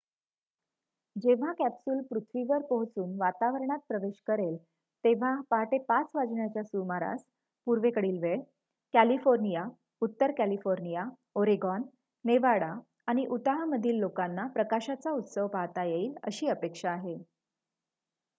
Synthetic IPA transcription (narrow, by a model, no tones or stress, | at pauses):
d͡ʑeʋ̤akæpsuːlpɾut̪ʰʋiʋəɾpəɦt͡suːnʋat̪aʋəɾɳat̪̚pɾəʋeɕkəɾel | t̪eʋ̤apaɦʈepat͡sʋad͡zɳjat͡ɕjasumaɾa̰s | puɾʋekəɽiːlʋeɭ | kælifoɾnija | ut̪ːəɾkælifoɾnija | oɾeɡɔnː | eʋaɽa | aɽ̃iʔut̪aɦaməd̪ʱiːlːokanːapɾəkaɕat͡saut̪səʋpaɦt̪ajeiːlə̰ɕiːəpekʂaːɦe